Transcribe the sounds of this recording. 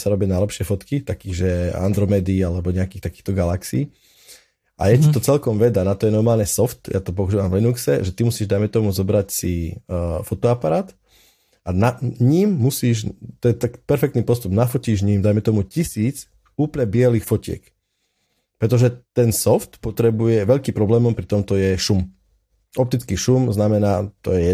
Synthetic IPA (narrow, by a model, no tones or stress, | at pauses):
saɾɔbɪanaɪjlɛpʃɪɛfɔt̪kit̪akiːɣʒɛa̰nd̪ɾɔmɛd̪iːalɛbɔɲɛakiːxt̪akiːxt̪ɔɡalaksiː | ʔa̰jɛcit̪ɔt͡sɛlkɔmʋɛd̪anat̪ɔjɛnɔɾmaːlɲɛsɔft̪jʔat̪ɔp̬ɔuʒuːʋamvlinuksɛ̰ʒɛt̪imusiːʒd̪ajmɛt̪ɔmuzɔbɾacsi | fɔt̪ɔapaɾaːt̪ | ʔanaɲimːusiːʒt̪ɔjɛt̪akpɛɾfɛkt̪niːpɔst̪ubnafɔciːʒɲiːmd̪ajmɛt̪ɔmucisiːt͡s | uːplɲɛbɪɛliːxfɔcɪɛ̰k | pɾɛt̪ɔʒɛt̪ɛnsɔft̪pɔt̪ɾɛbujɛʋɛʎkiːmpɾɔblɛːmɔmpɾit̪ɔmt̪ɔjɛʃum | ɔp̚t̪it͡skiʃumznamɛnaːt̪ɔ̰jɛɛ